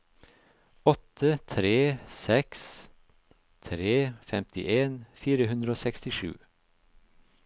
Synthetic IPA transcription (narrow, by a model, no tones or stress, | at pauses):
ɔt̪ʰət̪ʰɾeːsɛks | t̪ʰɾeːfɛmt̪ɪʔeːnfiːɾəhʉnd̪ɾəoːsɛkst̪ɪʃʉ̰ː